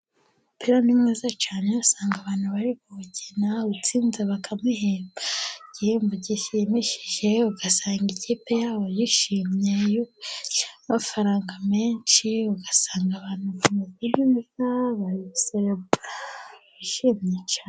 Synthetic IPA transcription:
upeɾonimŋezat͡ʃaːneasaːŋɡaβaːnhuβaɾikuβucenaut͡siːnzeβakʰamiɦeːmbaɟiheːmboɟiʃemeʃiʒe̞uɡasaːŋɡiciːpe̞jaːβo̞jiʃiːmɲejuk | mafaɾaːŋɡame̞ːnt͡ʃiuɡasaːŋɡaβaːnhuvumezinizaβaiseɾebuɾajiʃiːmɲet͡ʃaːe

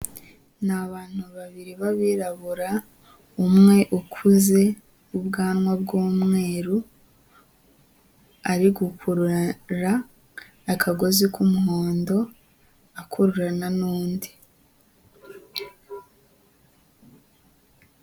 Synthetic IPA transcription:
naβaːn̥uβaβiɾiβaβiːɾaβuɾa | umŋe̞ʔukʰuze̞ | ubɡaːnŋwabɡuːmŋe̞ːɾu | aɾiɡukʰuɾuɾaː | kʰaɡo̞zikumuhoːndo̞ | akʰuɾuɾananuːndi

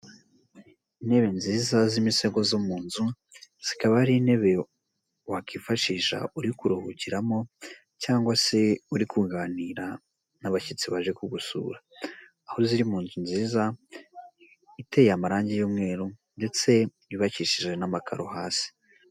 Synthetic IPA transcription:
ine̞βe̞nziːzazimiseɡo̞zomuːnzu | z̥ikaβaɾine̞βe̞ | wakiːɱfaʃiːʃa̰ʔuɾikuɾuhuciɾamo̞ | caːŋɡwase̞uɾikʰuɡaniɾa | naβacit͡siβaʒekuɡusṵːɾaː | ho̞ziɾimuːnzunziːza | ite̞jamaɾaːɲɟejoːmŋe̞ːɾunde̞t͡se̞βiβaciʃiʒe̞namakʰa̰ɾohaːsi̥

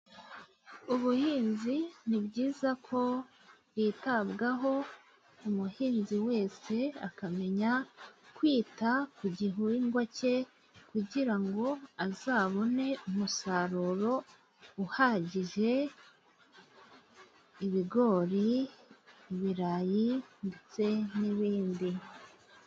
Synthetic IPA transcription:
uβuhiːnzinibɟiːzakʰo̞ | bjiːtaβɡaɦo̞ | umuhiːnziwe̞ːse̞a̰kame̞ɲakwiːtakuɟiɦuiŋɡwace̞ | kuɟiɾaŋɡo̞azaːβo̞ne̞umusaːɾuɾo̞ | uhaɟiʒe̞ | iβiɡo̞ːɾiː | βiɾaːjindet͡se̞niβiːndi

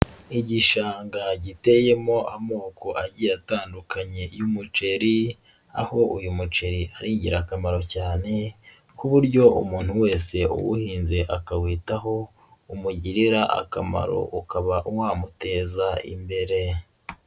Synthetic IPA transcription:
iɟiʃaːŋɡaɟite̞jemo̞ʔamo̞ːko̞aɟijataːndukʰaɲe̞jumut͡ʃe̞ɾi | aho̞ʔujumut͡ʃe̞ɾiʔaɾiːɲɟiɾakamaɾo̞caːne̞ | kuβuɾɟo̞ṵmuːn̥huwe̞ːse̞ṵwṵhiːnze̞ʔakawiːtaɦo̞ | umuɟiɾiɾaʔa̰ka̰ma̰ɾo̞̰ʔukaβaʔuwaːmute̞ːzaḭmbe̞ɾe̞

